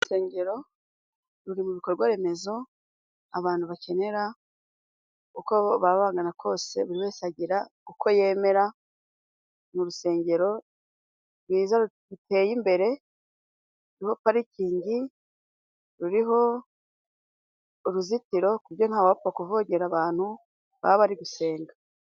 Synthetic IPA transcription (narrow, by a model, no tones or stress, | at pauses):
use̞ːɲɟe̞ɾo̞ | ɾuɾimuβiko̞ɾɡwaɾe̞me̞zo̞ | aβaːnhuβacʰe̞ne̞ɾa | kuko̞βaβaːŋɡanakʰo̞ːse̞βuɾiβeːsaɟiɾakukʰo̞je̞ːme̞ɾa | muɾuse̞ːɲɟe̞ɾo̞ | ɾwiːza | ute̞ːjimbe̞ɾe̞ | uɾiho̞paɾiciːɲɟi | ɾuɾiɦo̞ | ɾuzitiɾo̞kuɾjo̞nhaːwapuβakuvoɟe̞ɾaβaːn̥hu | βa̰βaɾiɡuse̞ːŋɡa